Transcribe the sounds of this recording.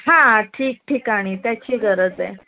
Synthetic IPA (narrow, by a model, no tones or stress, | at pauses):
ɦãʈʰiːk̚ʈʰiːkaɽ̃it̪jat͡ɕiːɡʱəɾəd͡ze